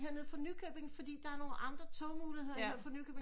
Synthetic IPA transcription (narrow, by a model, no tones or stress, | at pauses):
ɦeɐe̝ð̰ˠfɒ̽nykʰøːb̥e̝ŋ̩fɒ̽d̥ḭːd̥ɑ̈æɐno̝ːlʔɑ̈nd̥ʁɐt͡sʰɔ̽ʊmuːlihḛɐḛɐ̰fɒ̽nykʰøːb̥e̝